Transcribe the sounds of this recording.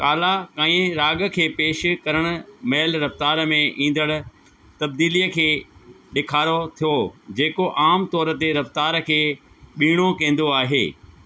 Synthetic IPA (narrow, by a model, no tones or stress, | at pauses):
kaːlakaːĩẽɾaːɡə̆kʰeːpeːʃkɐɾəɽ̃ʊ̆mɛːlɾɐft̪aːɾmẽʔĩːn̆d̪əɽ̃ʊ̆ | t̪ɐb̚d̪iːlijəkʰeː | ɗɪkʰaːɾot̪ʰijod͡ʑeːkoʔaːmt̪ɔːɾə̆t̪eɾɐft̪aːɾkʰeː | ɓiːɽ̃okẽːn̆d̪oaːɦḛː